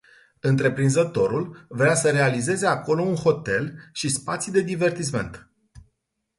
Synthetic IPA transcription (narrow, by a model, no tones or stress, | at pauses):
ɨnt̪ɾe̞pɾinzət̪o̞ɾulvɾeasəɾe̞alize̞ze̞ako̞lo̞unho̞t̪e̞lʃispat̪sid̪e̞d̪ive̞rt̪is̬me̞̰nt̪